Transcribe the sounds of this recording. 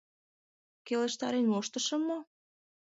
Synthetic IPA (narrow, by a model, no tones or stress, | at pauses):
keleʃt̪ɑɾenoʃt̪ə̆ʃə̆mːo